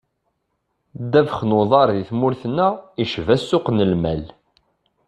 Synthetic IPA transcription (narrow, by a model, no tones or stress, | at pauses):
d̪ævəχnoðˤɑɾˤðiθmʊɾθnːæiʃvæsːʊqnəlmæl